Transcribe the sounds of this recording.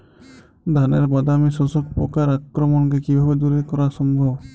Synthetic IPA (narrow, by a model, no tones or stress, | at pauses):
d̪ʱanḛɾbad̪amisɔsɔk̚pɔ̰kaɾakɾɔmɔnkekibʱabed̪uɾekɔɾasɔmbʱɔb